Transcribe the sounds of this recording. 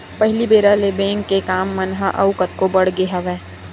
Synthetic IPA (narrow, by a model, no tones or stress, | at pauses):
pɐɦɪlibeːɾalebɛ̃ːŋkːekaːmːənɦaʔɐ̰ʊkət̪kobɐɽ̤ɡeɦɐʋɛ̃ː